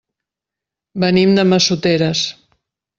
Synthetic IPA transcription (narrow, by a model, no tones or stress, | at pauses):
bənimd̪əməsut̪eɾəs